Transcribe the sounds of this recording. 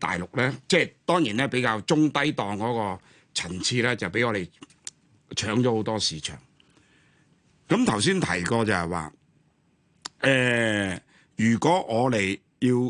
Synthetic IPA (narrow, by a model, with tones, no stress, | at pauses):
t̪a̰ː˨jlʊ˨k̚lɛː˥t͡sɛː˥˧t̪ɔː˥ŋjiː˨˩nɛː˥pe˨˥jkaː˧wt͡sʊ˥ŋt̪ɐ˥jt̪ɔː˨ŋkɔː˨˥kɔː˧ | t͡sʰɐ˨˩nt͡sʰiː˧lɛː˥t͡sɐ˨wpe˨˥jŋɔː˨˧ɾe˨j | t͡ʃʰœː˨˥ŋt͡ʃɔː˨˥ho˨˥wt̪ɔː˥siː˨t͡ʃʰœ̰ː˨˩ŋ | kɐ˨˥mt̪ʰɐ˨˩ws̬iː˥nt̪ʰɐ̰˨˩jkɔː˧t͡sɐ˨whɛ˨wa̰ː˨˧ | ʔɛː˨ | jyː˨˩kʷɔː˨˥ʔɔː˨˧le˨˩j | jiː˧w